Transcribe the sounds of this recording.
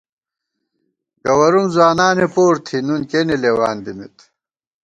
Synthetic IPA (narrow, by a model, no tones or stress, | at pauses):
ɡɐwɐɾumzwaːnaːnepoːɾt̪ʰinunkenelewaːnd̪imit̪